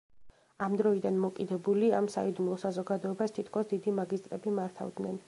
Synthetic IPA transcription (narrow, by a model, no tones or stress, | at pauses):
amd̪ɾɔid̪anmɔkʼid̪ɛbuliamsa̰id̪umlˠɔsazɔɡad̪ɔɛbast̪ʰit̪ʰkʰɔsd̪id̪imaɡist̪ʼɾɛbimaɾt̪ʰa̰vd̪nɛn